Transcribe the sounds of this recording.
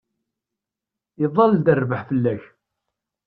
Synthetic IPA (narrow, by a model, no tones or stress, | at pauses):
iðˤːɑld̪ərːvəħfəlːæç